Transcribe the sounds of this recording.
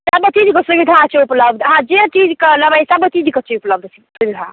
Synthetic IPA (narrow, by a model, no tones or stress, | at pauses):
sabət͡ʃid͡ʒkesubid̪ʱat͡ʃʰeupləbd̪ʱɦãd͡ʒet͡ʃid͡ʒkeləbajsabət͡ʃid͡ʒket͡ʃiupləb̚d̪ʱs | subid̪ʱa